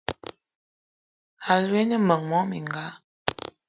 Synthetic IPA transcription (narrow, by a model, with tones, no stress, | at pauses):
a˨lwɛ˦ɲə˦mə˨ŋmwɔ˦mi˨ŋɡa˨˦